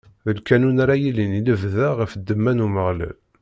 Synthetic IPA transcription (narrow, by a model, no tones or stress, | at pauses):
ðəlkænunaɾajiliniləvðæʁəfəd̪ːəmːænuməʁlæ̰l